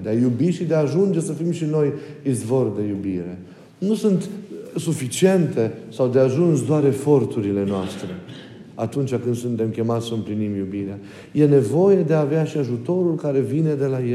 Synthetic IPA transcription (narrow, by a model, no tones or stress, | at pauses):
d̪eajubiʃid̪eaːʒund͡ʒe̞səfimʃino̞jizvo̞rd̪e̞jubiɾe̞ | nusunt̪sufit͡ʃie̞nt̪e̞sawd̪eaʒunsd̪oaɾe̞fo̞rt̪uɾile̞noast̪ɾe̞ | at̪unt͡ʃʲakɨnd̪sunt̪e̞mkʲe̞mat̪ʲsəɨmplinimjubiɾea | je̞ne̞vo̞je̞d̪e̞aːveaʃiaʒut̪o̞ɾulkaɾe̞vine̞d̪e̞laje